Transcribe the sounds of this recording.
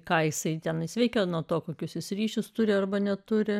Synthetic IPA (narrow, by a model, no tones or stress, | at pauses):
kɑːjɪsɐɪt̪ʲɛnɪsʲʋʲɛɪkʲoːnuɔt̪oːkoːkʲʊsjɪsrʲiːʃʲʊst̪ʊɾʲɪɐrbɐnʲɛt̪ʊɾʲɪ